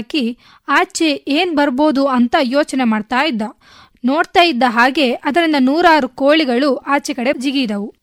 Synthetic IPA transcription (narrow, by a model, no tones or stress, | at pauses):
ki | aːt͡ʃe̞eːnbɐɾbo̞ːd̪uɐnt̪ɐjoːt͡ʃɐne̞maːɖt̪aːjid̪ːɐ | noːɽt̪aːjid̪ːɐɦaːɡe̞ʔɐd̪ɐɾind̪ɐnuːɾaːɾukoːɭiɡɐɭuʔaːt͡ʃekɐɽe̞d͡ʒiɡid̪ɐʋu